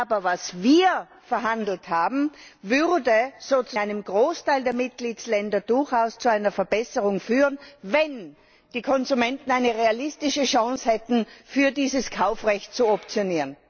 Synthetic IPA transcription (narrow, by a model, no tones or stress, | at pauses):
ʔaːbɐvasviːɐ | fɛɐɦandl̩thaːbm̩vʏʁdəz̥oːt͡suʔaɪnəmɡʁoːstʰaɪldeːɐmɪt̚ɡ̥liːtslɛndɐdʊɐçaʊst͡suaɪnɐfɛɐbɛsəʁʊŋfyːʁənvɛn | d̥iːkʰɔnzumɛntn̩aɪnəʁealɪstɪʃəʃɑ̃ŋshɛtn̩fyːɐdiːzəskʰaʊfʁɛçt̚t͡suɔp̚t͡sjoniːʁən